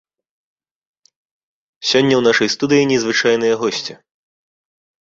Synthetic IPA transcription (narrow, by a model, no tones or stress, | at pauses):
sʲɔnʲːɐwn̪aʂɐjst̪ud̪ɨjinʲɛzvɨt͡ʂajnɨjɐɣɔsʲt͡sʲi